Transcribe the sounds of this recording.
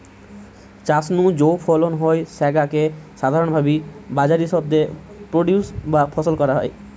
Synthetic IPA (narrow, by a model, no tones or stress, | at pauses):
t͡ɕasnud͡ʑowfʰolonɦoesɛɡakeʃad̪ʱaɾonbʱabibad͡ʑaɾiʃɔb̚d̪e | pɾoɖjusbapʰɔsolkɔɾaɦɔ̰j